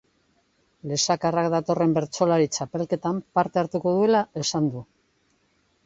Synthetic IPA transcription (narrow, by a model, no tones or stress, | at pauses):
le̞sakarakd̪at̪o̞re̞mbe̞ɾt͡ʃo̞laɾit͡ʃape̞lke̞t̪ampaɾt̪e̞aɾt̪uko̞ð̞ue̞lae̞sand̪u